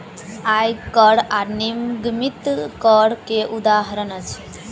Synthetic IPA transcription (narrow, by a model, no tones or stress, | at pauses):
ajkəɽaɾnimɡmit̪kəɽkeʔud̪aːɦɐɾənət͡s